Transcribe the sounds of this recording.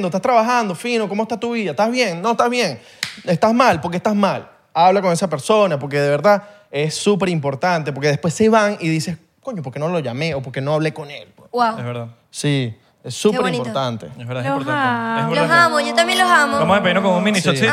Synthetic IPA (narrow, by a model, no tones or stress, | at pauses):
nd̪oest̪ast̪ɾaβaxand̪o̞fino̞ko̞moest̪at̪uβiðaeht̪azβje̞ŋno̞est̪azβje̞ŋ | est̪azmalpo̞ɾk̬est̪azmal | aβlakoŋe̞sap̬e̞ɾso̞nap̬o̞ɾk̬e̞ðe̞βe̞ɾða | e̞sːup̬e̞ɾimpo̞ɾt̪ant̪e̞p̬oɾke̞ðepwe̞seβaŋiðise̞s | ko̞ɲopoɾke̞noloʝame̞opo̞ɾke̞no̞aβle̞ko̞nelpwewawezβeɾða | si | esːupeɾimpoɾt̪ant̪eeβeɾaipɾt̪aeβelsamojot̪ambjenlosamoamosepeindokoŋunmĩnistɾsi